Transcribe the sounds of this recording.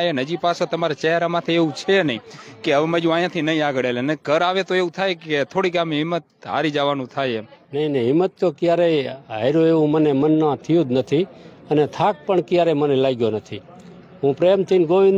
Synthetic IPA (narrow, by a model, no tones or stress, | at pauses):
jenəd͡ʒipasot̪əmaɾat͡ʃɛɦɾamat̪ʰeeũt͡ʃʰenəĩkeəʋməd͡ʒũajãt̪ʰinəɦĩaɡəɽeləneɡʱəɾaʋet̪oeũt̪ʰajket̪ʰoɽiɡameɦɪmːət̪ɦa̰ɾid͡ʒaʋanũt̪ʰajenəĩnəĩɦɪmːət̪ːokjaɾeɦa̰jɾoeʋũmənemənːãt̪ʰijũd̪nət̪ʰiənet̪ʰak̚pəɳkjaɾemənelaɡjonət̪ʰi | ɦũpɾemt̪ʰinɡoʋin